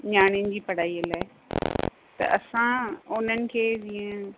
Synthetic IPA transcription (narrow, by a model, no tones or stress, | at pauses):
ɲaːɽ̃ijʊnɪ̆d͡ʑiːpɐɽ̤aːiəlaːɪ | t̪ɐ̰ʔɐ̰sãʊn̤ənɪ̆kʰeːd͡ʑiːə̃